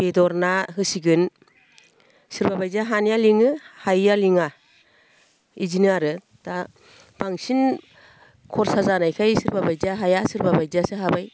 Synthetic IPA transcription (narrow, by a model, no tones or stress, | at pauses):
b̥edɔɾnaɦɯsiɡɯn | sɯɾbabajzaɦanjaliŋɯhajaliŋa | izinaɾɯ | ta | baŋsin | kʰɔɾsazanajkʰajsɯɾbabajzaɦajasɯɾbabajzasɯɦabaj